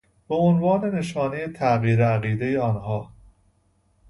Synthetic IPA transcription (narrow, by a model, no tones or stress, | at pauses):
b̥eonvɒːne̞ne̞ʃɒːnejet̪ʰæɣiːɾeæɣiːd̪e̞jeɒːnɦɒː